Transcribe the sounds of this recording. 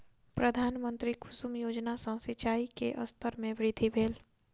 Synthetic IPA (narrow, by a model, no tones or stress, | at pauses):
pɾəd̪ʱaːnmə̃nt̪ɾikʰʊsʊmjoːd͡ʒnasə̃sɪt͡ʃaːikḛʔəst̪ʰəɾmẽʋɾɪd̪ʱibʱeːl